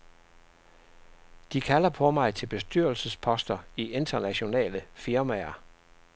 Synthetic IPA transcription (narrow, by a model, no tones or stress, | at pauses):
d̥ikʰælɐpʰɒ̽mɑ̈ɪt͡sʰe̝lb̥e̝sd̥yɐlsəspʰɒ̽sd̥ɐiʔe̝nd̥ɐnæɕo̝nɛ̰ːləfiɐmæɐ